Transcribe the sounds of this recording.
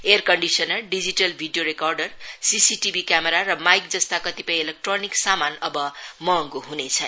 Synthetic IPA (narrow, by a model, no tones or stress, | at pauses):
erkʌɳɖisʌnʌlɖid͡ziʈʌlbʱiɖijoɾekarɖʌrsisiʈibʱikjameɾarʌmajk̚d͡zʌst̪akʌt̪ipʌj̃elek̚ʈroniksamanʌbʌmʌːŋɡoɦunet͡sʰʌ